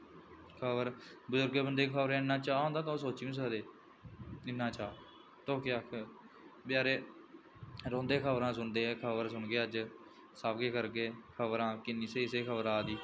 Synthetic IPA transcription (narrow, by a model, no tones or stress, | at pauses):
kʰəbəɾbəzʊɾɡebənd̪eːkʰəbɾãːɪnːãːt͡ʃaːɦõːnd̪aːt̪ãsoːt͡ʃiĩːs̬əkd̪eː | ɪnːaːt͡ʃaː | t̪oːkeakʰ | pɪjaːɾeː | ɾõːnd̪eːkʰəbɾãːs̬ʊnd̪eːkʰəbəɾsʊɳɡeːəd͡ʒ | saːbɡeːkəɾɡeːkʰəbəɾãːkɪnːĩːseːseːkʰəbəɾaːd̪iː